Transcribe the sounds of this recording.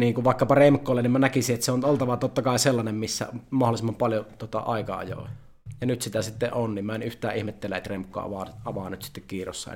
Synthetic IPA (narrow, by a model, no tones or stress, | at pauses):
niːŋkuʋʋɑˑekːɑpɑremkːˑoːlːenimænækisiʔet̪ːæseonolt̪ɑʋɑt̪ot̪ːɑkɑˑiselːɑnemmisːæ̰mɑholˑisemːɑmpɑljot̪uot̪ɑ̰ʔɑ̰ˑikɑɑ̰jo̰ˑi | jɑnyt̪sit̪æsit̪ːeʔʔonniːmmæenyht̪æːʔihmet̪ːelːæet̪remkːˑo̰ʔɑ̰ʋɑɑʋɑːnyt̪si̥t̪ːekkiːro̰sːɑ̰ḛ